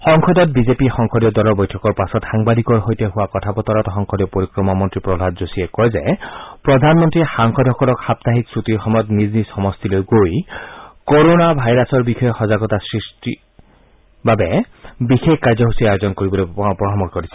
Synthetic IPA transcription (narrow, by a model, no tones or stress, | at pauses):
xɔŋxʰɔdɔt̚bizepixɔŋkʰɔdɔdɔlɔɹbɔjtʰɔkɔɹpasɔtxaŋbad̪ikɔɹɦojteɦuwakɔtʰapɔt̪ɔɾɔtxɔŋkʰɔdiɔpoɹikɹɔmamɔntɹipɹɔbʱad̚zosiekɔjzɛpɹɔd̪ʱanmɔntɹixaŋxʰɔdʱɔkɔlɔkxap̚t̪aɦiksɹut̪iɹxɔmɔjɔt̪niznisɔmɔst̪ilojɡojkoɾonabʱajɾasɔɹbixʰɔjɔxɔzaɡɔtasɹisʈi | babɛ | bixekkaɹzɔɦusiajozɔnkoɹibɔlojpɹɔɹɔmɔkkɔɹisʰɛ̥